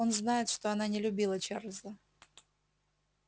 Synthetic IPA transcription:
onznajɪt̪ʂt̪oɐnanʲɪlʲʊbʲilˠət͡ɕarlʲzə

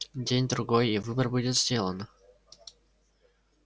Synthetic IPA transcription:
dʲenʲd̪ɾʊɡojivɨbərbudʲɪt̪zʲdʲelˠən

